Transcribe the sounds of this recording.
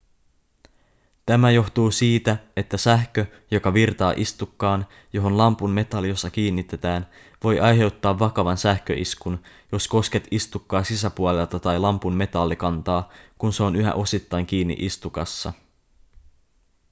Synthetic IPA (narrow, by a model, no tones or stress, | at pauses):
t̪æmæjo̞xt̪uːsiːt̪æe̞t̪ːæsæhkø | jo̞kɑʋirt̪ɑːʔist̪ukːɑːn | jo̞ɦo̞nlɑmpunme̞t̪ɑlːijo̞sːɑk̟iːnːit̪ːe̞t̪æːn | ʋo̞jʔɑjɦe̞wt̪ːɑːʋːɑkɑʋɑnsæhkø̰ʔiskun | jo̞sko̞ske̞t̪ist̪ukːɑːsisæpuole̞lt̪ɑt̪ɑjlɑmpumme̞t̪ɑlːikɑnt̪ɑːkunse̞o̞nyɦæ̰ʔo̞sit̪ːɑjŋk̟iːnːḭʔist̪ukɑsːɑ̰